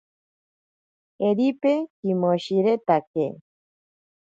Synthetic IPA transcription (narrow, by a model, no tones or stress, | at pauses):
eɾipekimoɕiɾet̪ake